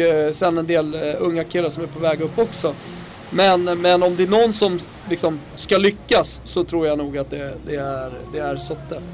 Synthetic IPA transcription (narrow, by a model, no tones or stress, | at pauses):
sɛnːɛnd̪eːlɵŋːakʰɪlːaʂɔmæɾpʰɔvɛːɡɵpːɔksɔ | mɛnmɛnɔmd̪ɛæɳɔnːsɔm | lɪksɔm | skalʏkːasːɔt̪ʰɾuːɾjanuːɡat̪̚d̪ɛd̪ɛæɾd̪ɛæɾsɔt̪ːə